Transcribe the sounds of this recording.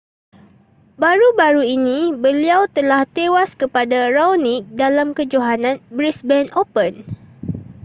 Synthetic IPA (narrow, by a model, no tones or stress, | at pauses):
baɾubaɾuinĩbəliawt̪əlaht̪ewaskəpadarawnik̚dalamkəd͡ʒoɦanãnbɾisbɛnopən